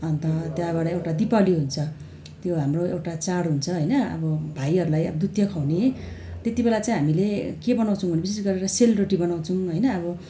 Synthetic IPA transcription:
ʌnt̪ʌt̪jabaɾʌewʈad̪ipaliɦunt͡sʰʌ | t̪joɦamroḛwʈat͡saɽɦunt͡sʰʌɦʌjnʌʌ̰bʌbʱaiɦʌɾulajʌ̰ʌd̪ut̪jʌkʰawnet̪et̪ibelat͡saĩɦamilekebʌnaw̃t͡sʰʌ̃w̃bʌnebisesɡʌɾeɾʌselroʈibʌnaw̃t͡sʰʌw̃ɦʌjnʌːbʌ

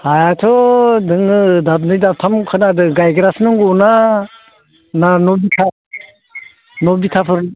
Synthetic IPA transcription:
hajatʰɔdɯŋɯdab̚nɯjdap̚tʰamkʰɯnadɯɡajɡɾasnɯŋɡɔna | nanɔbitʰa | nɔbitʰapʰɯɾ

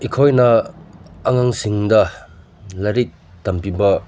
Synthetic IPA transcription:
ikʰojnɐː | ŋaŋsiŋdɐ | laɾik̚ | tɐmpibɐ

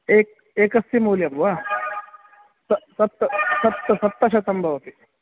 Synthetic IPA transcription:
ek̚ | eːkɐst̪imoːlijɐmʋa | sɐsɐp̚t̪ːɐsɐp̚t̪ːɐsɐp̚t̪ːɐɕɐt̪ɐmbʱɐʋɐt̪i

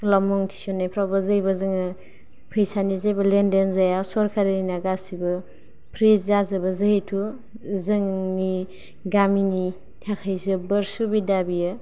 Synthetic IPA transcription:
klamɔŋtʰi̥sɔnːajpʰɾawbɐzɯjbɐzɯŋɯ | pʰɯjsanizajbɐlendenzajasɔɾkʰaɾɯninaɡasibɯ | pʰɾiszazɯbɐzɯɦitʰu | zɯŋni | ɡamini | tʰakʰajzɯbəɾsubidabijɯ

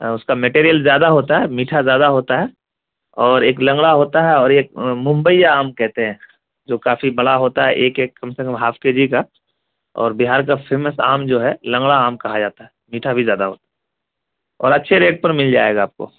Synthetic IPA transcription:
ʊskameʈeːɾijəlzjaːd̪aɦoːt̪aɦɛmiːʈʰazjaːd̪aɦoːt̪aɦɛ | ɔːɾeːklɐ̃ŋɡɭaɦoːt̪aɦɛɔːɾeːk̚mʊ̃mbəijaaːmkɛɦt̪eɦɛ̃ː | d͡ʒoːkaːfibɐɽaɦoːt̪aɦɛʔeːkeːkːɐmsekə̃mɦaːfkeːd͡ʒika | ɔ̰ːɾbiɦaːɾk̬afʰeːməsa̰ːmd͡ʒoːɦɛlɐ̃ŋɡɭaaːmkɐɦad͡ʒaːt̪aɦɛ | miːʈʰabʱizjaːd̪aɦoːt̪ḁɦɛ | ɔ̰ːɾɐtːʃʰeɾeːʈ̚pɐɾmɪld͡ʒa̰ːḛːɡaːp̚ko̰ː

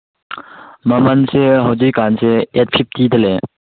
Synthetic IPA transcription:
məmənseɦɔwd͡ʑijkanseɛt̚pʰip̚t̪id̪əle

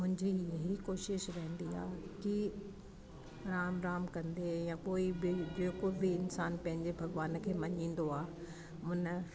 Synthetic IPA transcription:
mʊ̃ɦɪ̃ɲd͡ʑijɐɦikoːʃɪʃɾɐɦə̃nd̪ia̰ːki | ɾaːmɾaːmkɐ̃nd̪ejãkoːibɪd͡ʑeːkobɪɪnsaːnpɐ̃ɦɪ̃ɲd͡ʑebʱɐɡʋaːnkʰeːmɐɲĩːn̆d̪oaːe | mʊ̃nə̆

